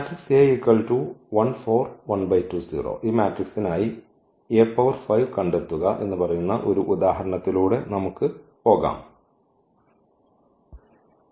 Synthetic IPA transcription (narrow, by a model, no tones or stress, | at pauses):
maːtrikseːikːɐɭʈuʋɐnfoːrʋɐnbɐjtːuːsḭːro̰ːʔiːmaːtriksinaːji | eːpːɐʋɐrfɐjʋkɐɳɖet̪ːuɣɐʔe̞̰nːɨpɐrɐjunːɐʔo̞ɾuʔud̪aːɦɐɾɐɳɐt̪ːiluːɽe̞nɐmukːɨpo̞ːɣa̰ːm